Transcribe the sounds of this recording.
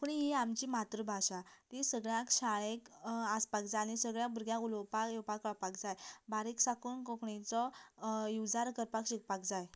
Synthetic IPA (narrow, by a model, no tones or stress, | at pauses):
puɳiɦiamt͡ɕiːmat̪ɾəbʱaɕat̪isəɡɭjãkɕaɭẽkaspakd͡zajnisəɡɭjãkbəɾɡjãuləwpakjewpakaɭpakd͡zajbaɾiksakuːnkɔkɳit͡sɔjud͡zaɾkəɾpakɕik̚pakd͡zaj